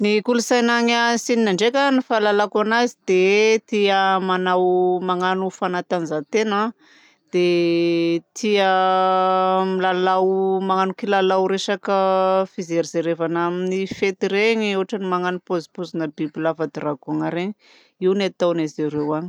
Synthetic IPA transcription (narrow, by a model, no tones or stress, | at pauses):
nikulusajnaɲasininaɳɖ͡ʐekʲanifalalakanazid̪̥et̪iəmanawmaŋanufanat̪anizat̪ena | d̪̥e | t̪ʰiə | milalawmaŋanukilalawɾeʃakəfizeɾizeɾevanaminifet̪iɾeɲiewɦaʈ͡ʂanimaŋanupozi̥pozinəbibilavad̪iɾaɡaŋaɾeɲi | iwnat̪anazeɾewaɲi̥